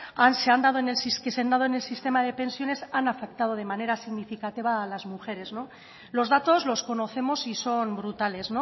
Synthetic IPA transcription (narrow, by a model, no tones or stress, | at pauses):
anseand̪að̞oene̞lsiskeseand̪að̞oene̞lsist̪e̞mað̞e̞pe̞nsjo̞ne̞sanafe̞k̚t̪að̞o̞ð̞e̞mane̞ɾasiɣnifikat̪iβaːlazmuxe̞ɾe̞zno̞ | lo̞zðat̪o̞zlo̞sko̞no̞θe̞mo̞siso̞mbɾut̪ale̞zno̞